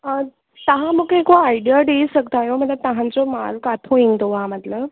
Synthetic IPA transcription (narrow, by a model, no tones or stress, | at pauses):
ə | t̪aɦãməkekoaiɖijaɖeisəkt̪ajomət̪lət̪aɦãnt͡sɔma̰lkat̪ʰõĩŋɡt̪oʋamət̪ləb